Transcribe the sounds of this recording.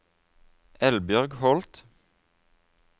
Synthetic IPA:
ɛlbjœʁɡhɔlt̪

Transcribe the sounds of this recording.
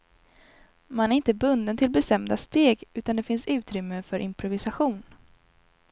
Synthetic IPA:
manæɾɪnt̪əbɵnd̪ənt̪ʰɪlbɛst̪ɛmd̪ast̪eːɡʉ̟ːt̪and̪ɛfɪnsʉ̟ːt̪ɾʏmːəfœɾʔɪmpʰɾʊvɪsaɧuːn

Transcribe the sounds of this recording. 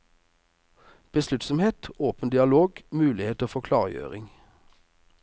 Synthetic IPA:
b̥əslʉt̪sɔmheːt̪oːpənd̪ɪɑloːɡmʉːlɪheːt̪əːfɔːkʰlɑ̰ːʁjø̰ːʁɪ̰ŋ

